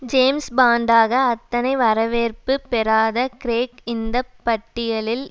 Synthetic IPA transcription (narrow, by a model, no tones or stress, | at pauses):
d͡ʒeːmsbaːɳɖaːɣɐːt̪ːɐnɐɪʋɐɾɐʋeːrpɯpɛɾaːðɐkɾeːkɪnd̪ɐpːɐʈːɪjɐlɪl